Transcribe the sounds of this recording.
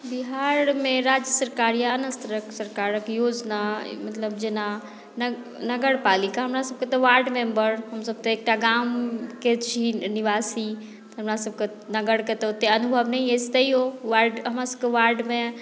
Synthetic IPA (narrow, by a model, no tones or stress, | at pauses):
biɦaɾmeɾad͡ʒjəsəɾkaɾjaːnəst̪ɾəksəɾkaɾəkjod͡ʒna̰mət̪ləbd͡ʒena | nə | nəɡəɽpalikaɦəmɾasəb̚ket̪ɔʋaɾɖmẽmbəɾɦəmsəb̚t̪əek̚ʈaɡamket͡ʃʰiniʋasi | t̪ɦəmɾasəb̚ke | nəɡəɽket̪ɔot̪eənubʱəʋnəiest̪əiɦoʋaɾɖɦəmɾasəb̚keʋaɾɖme